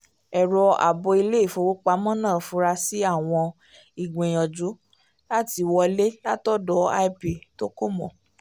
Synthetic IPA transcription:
ɛ˨ɾɔ˧a̰˨bɔ˧i˧le˦i˦˨fo˨˧wo˦k͡pa˨˦mɔ̃˦nãː˦˨fũ˧˦ɾa˧si˨˦a˦˨w̃ɔ̃˧ | i˨ɡ͡bẽ˨j̃ɔ̃˨d͡ʒu˨˦ | la˦ti˧wɔ˧le˦la˦tɔ˦dɔ˨˦a˦i˦pe˨to˦ko˦mɔ̰̃˨

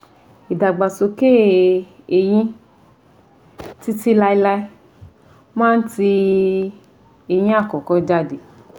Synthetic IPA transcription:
i˨da˨ɡ͡ba˨so˧ke˦˨ | e˨j̃ĩ˧ | ti˧ti˧˦la˧i˧la˧i˦˧ | mãː˦n̩˦ti˧ | e˨j̃ĩ˧˦a˦˨kɔ˨kɔ˨˧d͡ʒa˦˨de˨

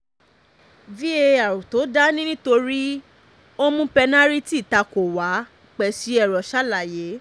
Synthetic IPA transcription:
vi˦e˧a˨ɾũ˨to˨˦da˦nĩ˦nĩ˦to˧ɾi˦ | o˦mũ˧pɛ˧nã˦ɾi˦ti˦˨ta˧ko˨wa˨˦ | k͡pɛ˨si˨˦ɛ˦˨ɾɔ˨ʃa˦la˨je˨˦

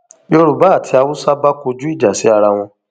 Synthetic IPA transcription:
jo˧ɾu˨ba˦˨tʰi˧˦a˧wu˦sa˦ba˦ko˧d͡ʒu˦i˦˨d͡ʒa˨si˨˦a˧ɾa˧w̃ɔ̃˧

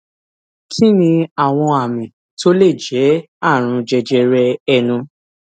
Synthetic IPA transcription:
kʰi˦nĩ˧a˨w̃ɔ̃˧a˨mĩ˨ | to˦le˦˨d͡ʒɛ˨˦ | a˦˨ɾ̃ũ˧d͡ʒɛ˧d͡ʒɛ˧ɾɛ˧ɛ˧nũ˧

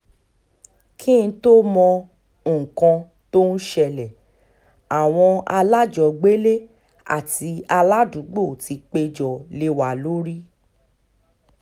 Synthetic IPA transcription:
kʰĩ˦˧˦to˦mɔ̃˧˨ | kã˧ | to˦ñ̩˦ʃɛ˦˧lɛ˨ | a˨w̃ɔ̃˧a˧la˦d͡ʒɔ˨ɡ͡be˦le˦ | a̰˦˨ti˧a˧la˦dũ˨˦ɡ͡bo˦˨ti˧˦k͡pe˧d͡ʒɔ˨le˧wa˨lo˨˦ɾi˦

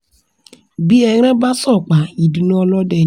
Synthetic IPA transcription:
bi˦ɛ˧˦ɾ̃ɛ̃˦ba˦sɔ˦˨k͡pa˨i˨du˨˦nũ˦ɔ˧lɔ˦dɛ˧˨

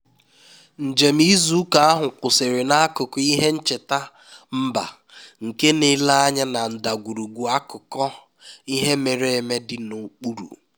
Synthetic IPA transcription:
n̩˨d͡ʒe˨m̩˦i˦zu˦ka˨a˦ɦʊ˨k͡pʊ˨sɪ˨ɾɪ˨na˦a˦kʊ˨kɔ˨i˦ɦe˦n̩˦t͡ʃe˨ta˦ | m̩˦ba̰˨ | ŋ̩˨ke˦ne˦la˦a˦ɲa˦na˨n̩˨da˨ɡʷu˨ɾu˨ɡʷu˨a˦kʊ˨kɔ˦ | i˦ɦe˦me˨ɾe˦e˨me˦dɪ˨nu˨k͡pu˦ɾṵ˨

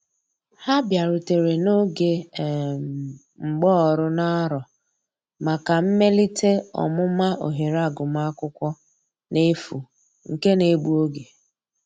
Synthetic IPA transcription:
ha˦bja˨ɾʊ˨te˨ɾe˨no˦ɡe˨ | ŋ͡m̩˨ɡ͡bɔ˦˨ɾʊ˦na˦ɾɔ˨ | ma˨ka˨m̩˦me˦li˦te˦ɔ̰˨mʊ˦ma˦ʔo̰˨ɦe˨ɾa˦˨ɡʊ˨ma˦kʷʊ˦kʷɔ˦ | ne˦fu˨ | ŋ̩˨ke˦ne˨ɡ͡bu˦o˦ɡe˨

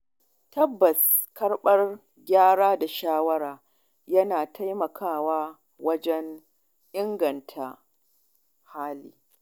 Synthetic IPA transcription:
tɐ˦bːɐ˨s | kɐ˦rɓɐ˦r | ɡʲaː˦ɽaː˦da˨ʃaː˦wɐ˦ɾaː˨ | jɐ˦naː˨tʰa˦jmɐ˨kʰaː˦˨waː˦ | wɐ˦d͡ʒɛ˦n | ʔɪ˦ŋɡɐ˨ntʰa̰˨ | haː˦lḭː˦

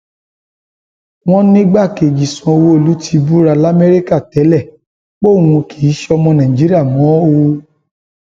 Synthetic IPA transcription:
w̃ɔ̃˦nĩ˦ɡ͡ba˦˨ke˨ɡi˨sɔ̃˧o˧wo˦o˦˨lu˨˦tʰi˧bu˦ɾa˧la˦me˦ɾi˦ka˦˨tɛ˨˦lɛ˦˨ | k͡po˦˨ũ˧kʰi˨˦ʃɔ˧mɔ̃˧nã˨ĩ˨d͡ʒi˦ɾi˦a˦˨mɔ̃˨˦wo˧

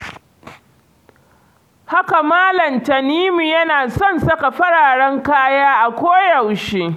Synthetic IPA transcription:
ha˦ka˨maː˦lɐ˨mtɐ˨niː˦mu˨jɐ˦naː˨sɔ˦˨nsɐ˦ka˨ɸɐ˦ɽaː˨ɽɐ˦ŋkaː˦jaː˦ʔa˨kʷoː˦jɐ˨wʃe˦

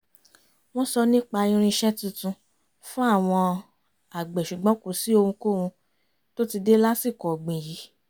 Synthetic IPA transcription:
w̃ɔ̃˦sɔ˧nĩ˦k͡pa˧jĩ˧ɾ̃ĩ˧ʃɛ˦tũ˧˦tũ˧ | fũ˦a˦˨w̃ɔ̃˧ | a˨ɡ͡bɛ˨ʃu˨ɡ͡bɔ̃˨˦ku˨si˦o˧hũ˧ko˦˨wũ˧ | to˦ti˧de˦la˦si˦˨kɔ˨ɡ͡bĩ˨ji˨˦

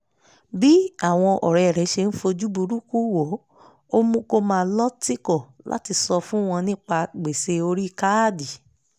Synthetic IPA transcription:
bi˦a˦˨w̃ɔ̃˧ʔɔ̰˨ɾɛ˨ɾɛ˨˦ʃe˧n̩˦fo˧d͡ʒu˦bu˧ɾu˦ku˦wo˨˦ | o˦mũ˦ko˦mãː˧˦lɔ˦ti˦kɔ˦˨la̰˦ti˧sɔ˧fũ˦w̃ɔ̃˧nĩ˦k͡pa˧ɡ͡be˨se˧o˧ɾi˦˧˨ka˦di˨

